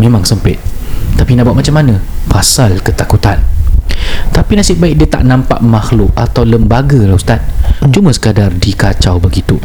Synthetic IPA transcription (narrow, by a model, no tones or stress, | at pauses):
mẽmãŋsəmpɪt̪̚t̪apinaʔbuat̪̚mat͡ʃamːanə̃fasalkət̪akut̪an | t̪apinasɪʔ̚baɪk̚diət̪a̰ʔnãmpa̰ʔmaxlʊk̚at̪awləmbaɡəlawst̪at̪̚t͡ʃumə̃sə̥kadardikat͡ʃawbəɡit̪u